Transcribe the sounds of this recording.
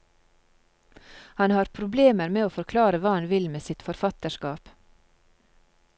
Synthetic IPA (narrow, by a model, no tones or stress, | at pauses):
hɑnhɑːɾpʰɾʊbleːməɾmeːoːfɔɾkʰlɑːɾəʋɑːhɑnʋɪlmeːsɪt̪fɔɾfɑt̪əʃkɑːp